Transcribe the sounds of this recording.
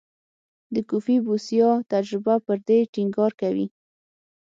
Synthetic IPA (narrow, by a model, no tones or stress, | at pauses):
d̪əkufibusjɑt̪ad͡ʒɾɪbapəɾd̪eʈiŋɡɑɾkawḭ